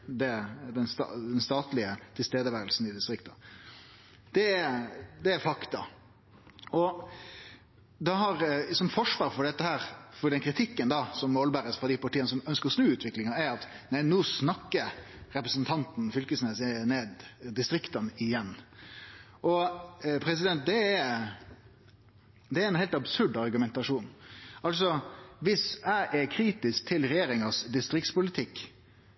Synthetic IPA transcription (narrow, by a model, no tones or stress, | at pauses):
d̪ɛd̪ɛnst̪ɑd̪ɛnst̪ɑːt̪lɪət̪ʰɪlst̪eːd̪əʋæːɾəlsn̩ɪd̪ɪst̪ɾɪkt̪ɑ | d̪̥ɛ | d̪ɛæɾfɑkt̪ɑ̰ | ɔ | d̪ɑɦɑɾsɔmfɔʂʋɑːɾfɔɖɛt̪ːəhæːɾfɔɖɛnkʰɾɪt̪ʰɪkːənd̪ɑsɔmːoːlbæːɾəsfɑd̪æɪpɑʈʰiːənəsɔmœnskəɾɔsnʉːʉːt̪ʰʋɪklɪŋɑæɾɑt̪ | næɪnoːsnɑkːəɾ | ɾɛpɾəsənt̪ʰɑnt̪n̩fʏlkəsneːsɪneːd̪d̪ɪst̪ɾɪkt̪ɑnɪjɛnː | ʔɔpʰɾɛsɪd̪ɛnt̪̚d̪ɛɛɾ | d̪ɛæɾɛnhɛɪlt̪ɑbsʉɖɑɾɡʉmɛnt̪ɑʂuːnʔɑlsɔʋɪsæɪʔɛkʰɾiːt̪ɪsk̚t̪ʰɪlɾɛjeːɾɪŋɑsd̪ɪst̪ɾɪk̚t̪spʊlɪt̪ʰɪkː